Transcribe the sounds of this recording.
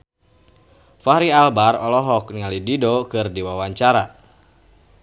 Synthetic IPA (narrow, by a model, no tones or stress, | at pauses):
faɾialbarɔlɔɦɔkniŋalididɔkɨrdiwawaɲt͡ʃaɾa